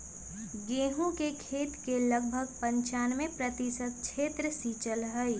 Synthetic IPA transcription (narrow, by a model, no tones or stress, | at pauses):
ɡeːɦũkekʰeːt̪keləɡ̚bʱəɡpə̃ɲt͡ʃaːnmẽpɾət̪isəd̪̚t͡ʃʰeːt̪ɾəsiːt͡ʃəlɦəi